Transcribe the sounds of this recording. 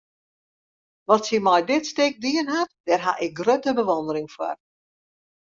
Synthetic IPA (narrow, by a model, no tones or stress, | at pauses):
ʋɔtsimɔjdɪtstɪk̚diənɦatd̥ɛrɦa̰ʔɪk̚ɡrøtəbəʋɔndəɾɪŋfwɔ̰r